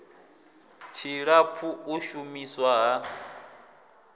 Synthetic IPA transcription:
t͡ʃʰiɺapʰuuʃumiswaɦa

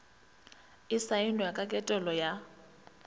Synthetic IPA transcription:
ɪsaɪnɔjakʼakʼɛtʼɛlɔja

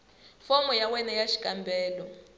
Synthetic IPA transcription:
fɔmɔjawɛnɛjaʃi̥kʼambɛːlɔ

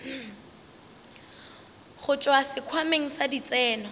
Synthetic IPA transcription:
χʊt͡ʃʼwasɪkʰwameŋ̩sadit͡sʼɛːnɔ

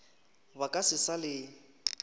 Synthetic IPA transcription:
bakʼasɪsalɪ

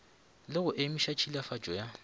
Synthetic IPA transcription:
lɪɣʊʔɪmiʃat͡ʃʰilafat͡ʃʼɔja

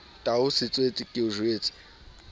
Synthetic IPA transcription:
tʼaʊsɪt͡sʼwet͡sʼɪkʼɪʊʒweːt͡sʼɪ̥

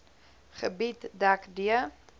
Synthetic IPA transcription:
χəbitdakdiə

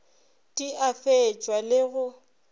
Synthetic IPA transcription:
tʼiʔafet͡ʃʼwalɪɣʊ

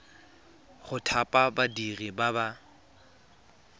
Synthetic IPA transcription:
χʊtʰapʼabadiribaba

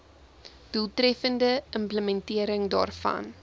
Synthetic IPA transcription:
d̥ulˠtrɛfəndəəmpləmɛntiəɾəŋdɑ̰ːrfɐ̰n

